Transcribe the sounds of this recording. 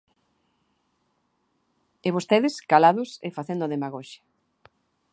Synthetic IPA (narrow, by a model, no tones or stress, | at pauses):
eβost̪eðɪskalaðʊsḛfaθend̪oðemaɣoʃḁ